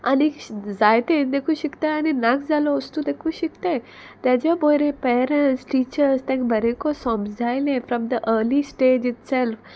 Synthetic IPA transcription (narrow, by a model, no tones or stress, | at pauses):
anid͡zajt̪ẽnd̪ekʰũɕikt̪ajaninakd͡zalɔʋəst̪ud̪ekʰũɕikt̪aj | t̪jat͡ɕabojɾẽpɛɾə̃ɳʈsʈiːt͡ɕəɾst̪ɛ̃ŋkbʱəɾẽkosɔ̃md͡zʱajlẽfɾɔ̃md̪əʔəɾlisʈed͡ʒitsɛlf